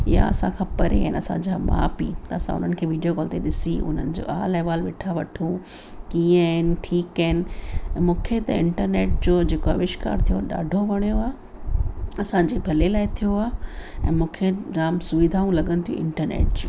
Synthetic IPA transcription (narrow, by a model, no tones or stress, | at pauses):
ɪɦa̰ɐ̰sãkʰãːpɐɾea̰ːɪnɐsã̰d͡ʑaːma̰ːpḭːt̪ɐɐsã̰ʊ̰n̤ənɪ̆kʰeːʋiːɖijokɔːlt̪eɗɪsiʔʊ̰n̤ənɪ̆d͡ʑo̰ːaːlaɦɪʋaːlʋeːʈʰaʋɐʈʰũ | kĩːaɦɪn̆ʈʰiːkaːɦɪnɪ̆mũːkʰet̪ɐɪ̃ɳʈəɾneːʈ̚d͡ʑoːd͡ʑeːkoaʋɪʃka̰ːɾt̪ʰijoɗa̰ːɖʱoʋɐɽ̃joaː | ɐsãɲd͡ʑebʱɐlelaːɪt̪ʰijoaːɛ̰̃ːmũːkʰeɾaːmsʊʋid̪ʱaːũlɐɠənɪt̪ʰijṵ̃ʔɪ̰̃ɳʈəɾnḛːʈ̚d͡ʑoː